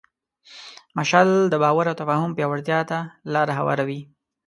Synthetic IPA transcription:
maʃɑld̪əbɑwaɾawt̪afɑhʊmpjɑwaɾt̪jɑt̪alɑɾaɦawɑ̰ɾawi

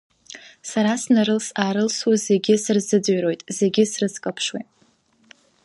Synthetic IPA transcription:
saɾasnaɾɨlsaːɾɨlswaze̞ɡʲɪsɨrzɨd͡zɥro̞jtʼze̞ɡʲɪsrɨskʼapʰʂwḭ

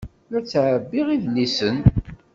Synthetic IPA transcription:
jʊɾt͡sːʕəbːiʁiðnːisən

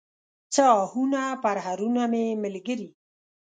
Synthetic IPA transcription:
t͡səɑhunapaɾɦaɾunamemɪlɡəɾi

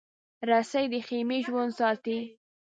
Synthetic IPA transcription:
ɾasajd̪əxemeʒwand̪sɑt̪i

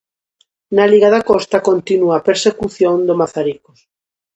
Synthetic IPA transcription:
naliɣaðakɔst̪akont̪inuapeɾsekuθjõnd̪omaθaɾikos

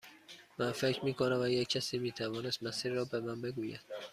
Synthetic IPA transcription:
mænfecʰɾmiːkʰonævæjecʲʰːæsiːmiːt̪ʰævɒːnest̪mæsiːɾːɒːbemænbe̞ɡuːjæ̰d̪̥

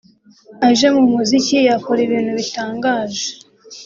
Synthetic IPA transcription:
aʒe̞mumuzicijakoɾiβiːnhuβitaːŋɡaːʒe

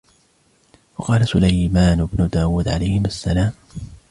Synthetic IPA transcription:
wɑqɑːlasʊlajmaːnɪbnʊd̪aːwuːd̪ʕa̰lajhɪmasːalaːm

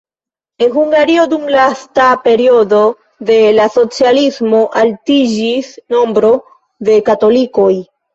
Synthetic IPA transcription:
e̞nɦuŋɡaɾio̞dumlastape̞ɾio̞do̞ | de̞laso̞t͡sialismo̞ʔaltid͡ʒisno̞mbɾo̞ | de̞kato̞liko̞j

